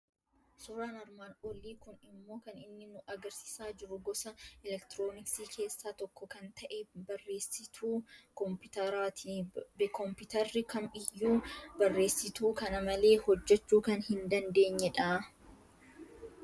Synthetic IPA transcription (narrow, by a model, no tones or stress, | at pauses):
sʊɾaːnɐɾmaːnʔɔliːkʊnɪmːo̞ːkɐnɪnːɪnʊʔɐɡɐɾsɪ̥saːd͡ʒɪɾʊɡɔsɐʔɛlɛkt̪ɪɾo̞ːnɪksiːkʰe̞ːsːaːt̪ɔkːɔkɐnt̪ɐʔɛbɐrːe̞ːsɪt̪ʰuːkɔmpɪt̪ɐɾaːt̪ʰibkɔmpɪt̪ɐɾːɪkɐmɪjːuːbɐrːe̞ːsːɪt̪uːkɐnɐmɐle̞ːhɔd͡ʒːɛt͡ʃːuːkɐnhɪnd̪ɐnd̪e̞ːɲːɛᶑaː